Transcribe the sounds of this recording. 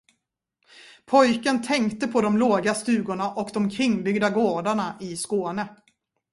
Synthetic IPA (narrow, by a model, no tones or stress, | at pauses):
pʰɔjkənt̪ʰɛŋkt̪əpʰɔd̪ɔmloːɡast̪ʉ̟ːɡʊɳaʔɔkd̪ɔmkʰɾɪŋːbʏɡd̪aɡoːɖaɳaʔɪskoːnə